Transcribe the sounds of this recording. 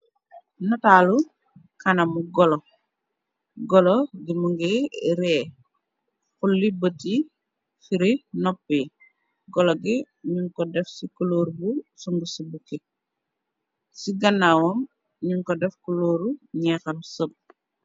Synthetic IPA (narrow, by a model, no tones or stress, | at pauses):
natalu | kɐnɐmuɡɔlɔ | ɡɔlɔɡimuŋɡɛɾɛ | xulːibəti | fiɾinɔpːi | ɡɔlɔɡi | ɲuŋkɔdɛfsikuloːɾbusuŋɡusibuki | siɡɐnːawɔm | ɲuŋkɔdɛfkuloːɾuɲɛːkɐmsəp̚